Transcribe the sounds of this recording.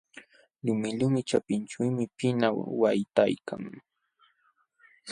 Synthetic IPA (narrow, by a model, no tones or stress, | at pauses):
lʊmɪʎʊmɪt͡ʃapɪnt͡ʃʊjmɪpɪnawajt̪ajkʰa̰ŋ